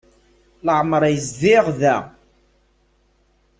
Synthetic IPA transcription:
ləʕmɾˤæjəzðɪʁðæ

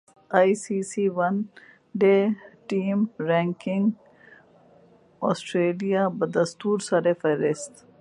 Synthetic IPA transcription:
aːisisiʋɐn | ɖeːʈiːmɾẽŋkɪ̃ŋɡ | ɔːsʈɾeːlijabɐd̪ɐst̪uːɾsɐɾefɐɾest̪

